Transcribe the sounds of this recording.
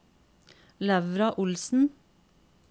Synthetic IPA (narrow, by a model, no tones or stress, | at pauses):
læʋɾɑʔʊlsn̩